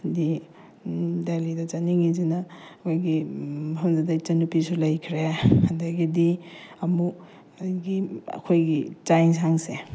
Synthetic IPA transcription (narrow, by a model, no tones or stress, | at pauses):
di | delidɐt͡ʃaniŋizinɐkʰojɡiɦɐmzadajt͡ʃɐnupisulɐjkʰɾeɐndɐɡidiɐmu | ɡiɐ̰kʰojɡit͡ʃajnsɦaŋse